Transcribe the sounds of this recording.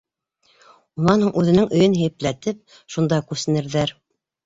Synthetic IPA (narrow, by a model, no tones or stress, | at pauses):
unɑnhuɴʔʉðɘ̆nɘŋɵ̆jɵnɦɘ̆jɘ̆plæt̪ɘp̚ | ʃund̪ɑkʉsɘ̆nɘ̆ɾðæɾ